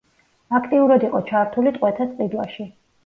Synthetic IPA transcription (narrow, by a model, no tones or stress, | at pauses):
akʰt̪ʼiuɾad̪iqʼɔt͡ʃʰaɾt̪ʰulit̪ʼqʼwɛt̪ʰast̪qʼid̪wa̰ʃi